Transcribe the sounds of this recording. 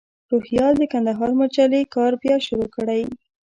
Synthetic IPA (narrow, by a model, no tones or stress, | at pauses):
ɾohjɑld̪əkand̪aɦɑɾmat͡ʃalekɑɾbjɑʃʊɾokəɽaj